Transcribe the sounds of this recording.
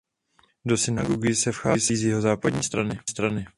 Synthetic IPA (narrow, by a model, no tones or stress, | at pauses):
do̞sɪna̰ɡoɡɪsɛfxa̰ːsiːzjɪɦo̞zaːpadɲiːst̪ɾanɪst̪ɾanɪ